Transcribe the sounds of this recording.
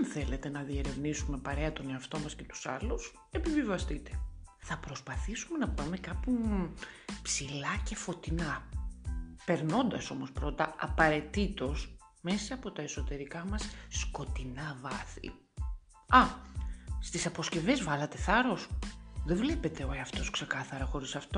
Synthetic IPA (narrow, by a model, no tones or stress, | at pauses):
enθe̞le̞t̪e̞nɐðie̞ɾe̞vnisume̞pɐɾe̞ɐt̪o̞neɐft̪o̞mɐsce̞t̪u̥sɐ̰lus | e̞pivivɐst̪it̪e̞̥θɐpɾo̞spɐθisume̞nɐpɐme̞kɐpu | psilɐce̞fo̞t̪inɐ | pe̞ɾno̞nd̪ɐso̞mo̞spɾo̞t̪ɐɐpɐɾe̞t̪it̪o̞s | me̞sɐːpo̞t̪ɐeso̞t̪e̞ɾikɐmɐsːko̞t̪inɐvɐθḭ | ɐ | st̪isɐpo̞sce̞ve̞zvɐlɐt̪e̞θɐɾo̞sðevle̞pe̞t̪e̞oeɐft̪o̞skse̞kɐθɐɾɐxo̞ɾisɐft̪o̞